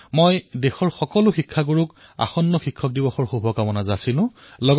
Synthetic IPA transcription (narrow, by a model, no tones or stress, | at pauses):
mojdexɔɹxɔkɔlʊxikʰːaɡuɹʊk | a̰xɔnːɔxikʰːɔk̚dibɔxɔɹxubʱɔkamɔnazasilʊ̃ | lɔɡ